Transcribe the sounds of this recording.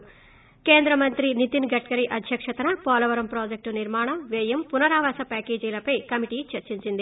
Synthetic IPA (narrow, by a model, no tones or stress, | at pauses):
keːnd̪ɾɐmɐnt̪ɾinit̪inɡɐʈ̚kɐɾiʔɐd̪ʱjɐkʂɐt̪ɐnɐpɔːlɐʋɐɾɐmpɾoːd͡ʒek̚ʈuniɾmaːɳɐʋeːjɐmpunɐɾaːʋaːsɐpaːkeːd͡ʒiːlɐpɐjkɐmiʈiːt͡ʃɐɾt͡ʃiɲt͡ʃind̪i